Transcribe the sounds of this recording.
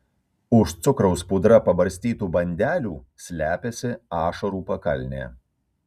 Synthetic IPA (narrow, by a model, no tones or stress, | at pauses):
ʊʃt̪sʊkɾɒʊspʊd̪ɾɐpɐbɐɾʲsʲt̪ʲiːt̪uːbɐnʲd̪ʲæːlʲuː | sʲlʲæːpʲesʲɪɑːʃɐɾuːpɐkɐlʲnʲḛː